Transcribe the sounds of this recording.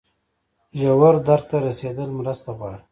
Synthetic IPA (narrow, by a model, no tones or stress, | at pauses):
ʒawaɾd̪aɾt̪aɾased̪əlmɾast̪aɣwɑɽa